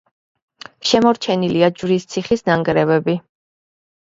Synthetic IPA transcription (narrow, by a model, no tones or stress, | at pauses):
ʃɛmɔɾt͡ʃʰɛniliad͡ʒvɾist̪sʰiχisnaŋɡɾɛvɛbi